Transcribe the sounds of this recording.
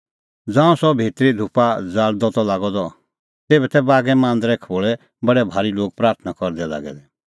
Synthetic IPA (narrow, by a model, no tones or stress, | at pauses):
d͡zãːũsɔbʱeːt̪ɾid̪ʱupad͡zaːɽd̪ɔt̪ɔlaːɡɔd̪ɔ | t̪eːbɛt̪ɛbaːɡɛmãːnd̪ɾɛkʰoːɭɛ | bɐɽɛbʱaːɾiloːɡ̚pɾaːɾt̪ʰnakɔɾd̪ɛla̰ːɡɛ̰d̪ɛ